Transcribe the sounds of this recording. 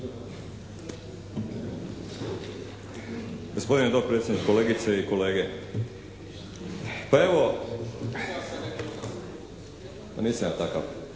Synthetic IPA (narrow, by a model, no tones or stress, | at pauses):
ɡospo̞d̪ined̪oɡ̚pɾet̪sʲenikko̞leːɡit̪seiko̞leːɡe | pae̞ʋo | paniːsamjaːt̪aka̰ʋ